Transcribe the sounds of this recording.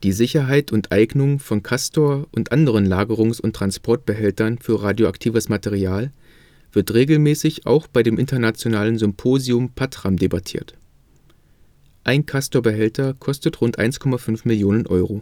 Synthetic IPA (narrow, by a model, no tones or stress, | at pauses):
d̥iːzɪçɐɦaɪtʰʊntʔaɪɡnʊŋfɔnkʰastoːɐʔʊntʔandəʁ̞ənlaːɡəʁ̞ʊŋsʊntːʁ̥anspʰɔɐt̚b̥əɦɛltɐnfyːɐʁaːdjoa̰ktʰiːvəsmateʁiaːl | v̥ɪɐtʁeːɡl̩mɛːsɪça̰ʊxb̥aɪdeːmʔɪntɐnat͡sjonaːlənzʏmpʰoːziʊmpʰatʁ̥amdebatʰḭːɐt | ʔaɪnkʰastoːɐbəɦɛltʰɐkʰɔstətʁʊntʔa̰ɪnskʰɔmafʏnfmɪljoːnənʔɔʏʁo